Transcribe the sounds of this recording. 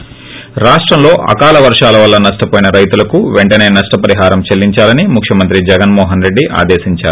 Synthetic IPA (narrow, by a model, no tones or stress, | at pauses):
ɾaːʂʈɾɐmlo̞ːʔɐ̰kaːlɐʋɐɾʂaːlɐʋɐlːɐnɐʂʈɐpoːjinɐɾɐjt̪ulɐkuʋeɳʈɐne̞ːnɐʂʈɐpɐɾiɦaːɾɐmt͡ʃelːiɲt͡ʃaːlɐnimukʰʂjɐmɐnt̪ɾid͡ʒɛɡɐnmɔːɦɐnɾe̞ɖːiʔa̰ːd̪eːsiɲt͡ʃa̰ːɾu